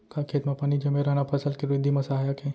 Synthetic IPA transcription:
kʰaːkʰeːt̪mapaːnid͡ʒɐmeɾɐnapʰɐsəlkeɾɪd̪ʱːimɐsaɦjakʰẽ

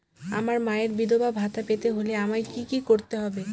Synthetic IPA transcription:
a̰maɾmaeɾbid̪obabʱat̪apet̪eɦoleamaekikikoɾt̪eɦɔbe

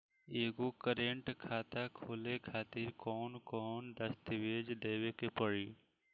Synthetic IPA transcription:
eːɡokəɾeːɳʈkʰaːt̪akʰoːlekʰaːt̪ɪɾkɔːnkɔːnd̪əst̪ʋeːd͡ʒd̪eːwekepəɽiː

